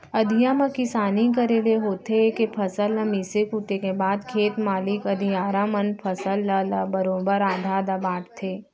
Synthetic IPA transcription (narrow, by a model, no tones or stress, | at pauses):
ɐd̪ʱijamãkɪsaːnikəɾeːleɦoːt̪ʰeekepʰɐsəlːəmisekuʈekebaːd̪kʰeːt̪maːlɪkɐd̪ʱijaːɾamɐnpʰɐsəlːəlɐbəɾoːbəɾaːd̪ʱad̪abaːʈt̪ʰeː